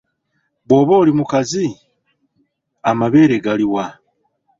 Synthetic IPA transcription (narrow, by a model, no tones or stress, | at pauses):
βwo̞ːβoːlimukazi | amaβe̞ːɾeɡaliwa